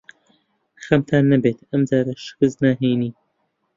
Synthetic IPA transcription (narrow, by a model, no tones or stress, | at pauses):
xɐmt̪ʰaːnːɐbeːt̪ɐmd͡ʒaːɾɐʃɨ̥kɨznaːɦejniː